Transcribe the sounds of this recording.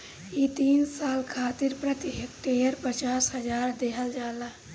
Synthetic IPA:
it̪iːnsaːlkʰaːt̪ɪɾpɾət̪ɪɦkʈeːjəɾpət͡ʃaːsɦəd͡ʒaːɾd̪eːɦəld͡ʒaːlaː

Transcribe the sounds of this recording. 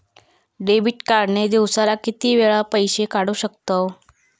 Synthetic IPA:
ɖebiʈkaɾned̪iwsalakit̪iːʋeɭapəjɕekaɽuːɕəkt̪o

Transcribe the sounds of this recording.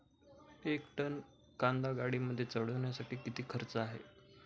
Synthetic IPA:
ekʈən | kãnd̪aɡaɽiːməd̪ʱːjet͡səɽ̤əʋɳjasaʈiːkit̪iːkʰəɾt͡səaɦḛ

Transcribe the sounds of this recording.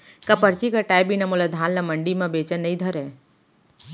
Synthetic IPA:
kɐpəɾt͡ʃikaʈaːjbinɐmolad̪ʱaːnlamɐɳɖimãbeːt͡ʃənːɐĩd̪ʱəɾɛː

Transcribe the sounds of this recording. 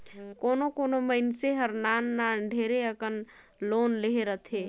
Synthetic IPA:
konokonoməɪnseɦəɾnanːaɖʱeɾeəkən | lonleɦeɾət̪ʰe

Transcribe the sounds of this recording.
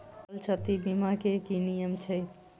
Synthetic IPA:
lt͡ʃʰət̪ibimakekinijəmt͡ʃʰɛj

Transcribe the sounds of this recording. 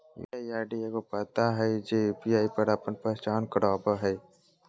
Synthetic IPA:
ḭaːiaːɖijakopət̪aɦɛd͡ʒebijaːipəɾəpənpət͡ʃaːnkəɾaːbəɦɛ

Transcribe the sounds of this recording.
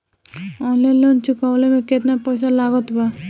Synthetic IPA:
ɔlelont͡ʃukawlemeket̪napɔjs̬alaɡɔt̪ba

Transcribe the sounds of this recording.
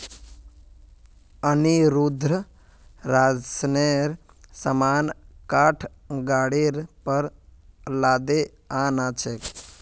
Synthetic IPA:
əniɾud̪ɾə | ɾaːd͡ʒsneɾ | səmaːnkaːʈʰɡaːɽiɾpəɾlaːd̪e | aːnat͡ʃʰek

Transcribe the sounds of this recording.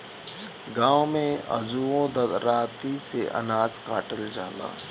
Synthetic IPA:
ɡãːwmẽɐ̰zuõd̪ɐɾaːt̪iseʔɐ̰naːzkaːʈəld͡ʒaːla̰ː

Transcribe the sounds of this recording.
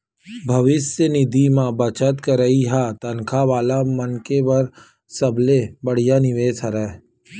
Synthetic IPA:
bʱɐʋɪsjənɪd̪imãbɐt͡ʃət̪kəɾɐɦiɦat̪ɐnkʰaʋaːlamənkeʋɐɾ | sɐblebəɽ̤ijanɪʋeːsɐɾɛː

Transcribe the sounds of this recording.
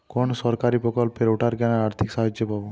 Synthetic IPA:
konsɔɾkaɾipɾɔkɔlpeɾuʈʰaɾkɛnaɾaɾt̪ʰiksaɦad͡ʒjopabo

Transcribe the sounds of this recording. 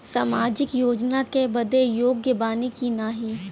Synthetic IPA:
saːmaːd͡ʒɪkjoːd͡ʒnakebɐd̪ejoːɡjəbaːnikinaːɦi

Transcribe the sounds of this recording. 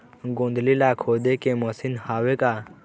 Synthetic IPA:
ɡõːnd̪lilakʰod̪ekẽmɔsinhaːʋeka

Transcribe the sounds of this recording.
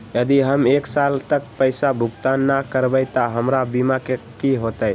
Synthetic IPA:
jəd̪iɦəmeksalt̪əkpəɪsabʱuɡt̪anːakəɾbəɪt̪ɔɦəmɾabimakekiɦot̪əj

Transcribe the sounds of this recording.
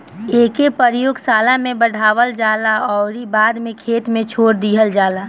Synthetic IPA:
eːkepəɾjoːɡsaːlamẽbəɽ̤ʱaːʋəld͡ʒaːlaɔːɾibaːd̪mẽkʰeːt̪mẽt͡ʃʰoːɾd̪iːɦəld͡ʒaːlaː

